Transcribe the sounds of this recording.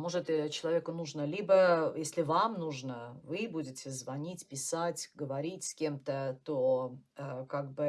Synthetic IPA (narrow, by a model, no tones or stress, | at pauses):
mo̞ʐɨt̪t͡ɕɪlˠɐvʲekənuʐnəlʲibəjesʲlʲɪvamnuʐnəvɨbudʲɪtʲɪzvɐnʲitʲpʲɪsatʲɡəvɐɾʲitʲsʲkʲemt̪ət̪oəkaɡ̚bɨ